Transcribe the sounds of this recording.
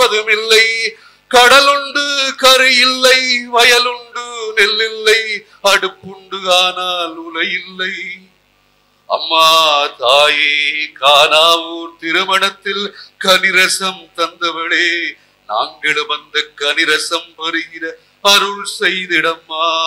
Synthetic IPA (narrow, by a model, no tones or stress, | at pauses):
ɐðɯmɪlːɐɪ | kɐɽɐlɯɳɖɯkɐɾɯjɪlːɐɪʋɐjɐlɯɳɖɯnɪlːɪlːɐɪ | ɐɽɯpːɯɳɖɯaːnaːlʊlɐjɪlːɐɪ | ɐ̰mːaːt̪aːjeːkaːnaːʋuːɾt̪ɪɾɯmɐɳɐt̪ːɪlkɐnɪɾɐsɐmt̪ɐnd̪ɐʋɐɭeː | na̰ːŋɡɐɭɯmɐnd̪ɐkɐnɪɾɐsɐmpɐɾɯɣɪɾɐ | ɐɾɯɭsɛjðɪɽɐmːaː